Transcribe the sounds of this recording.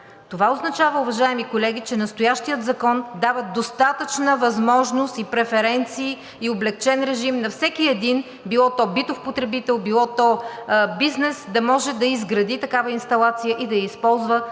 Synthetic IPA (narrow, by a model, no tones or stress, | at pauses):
t̪ovaoznɐt͡ʃavəʊvɐʒaɛmikolɛɡit͡ʃɛnɐst̪ʊjaʃt̪ijət̪zɐkɔnd̪avəd̪ost̪at̪ət͡ʃnəvɐzmɔʒnost̪ipɾɛfɛɾɛnt̪siː | oblɛk̚t͡ʃɛnɾɛʒimnɐfsɛkiɛd̪in | bilˠɔt̪ɔbit̪ʊxpot̪ɾɛbit̪ɛlˠbilˠɔt̪ɔbiznɛsd̪ɐmɔʒɛd̪ɐizɡɾɐd̪it̪ɐkavəinst̪ɐlˠat̪sijəʔid̪ɐjəispɔlˠzvə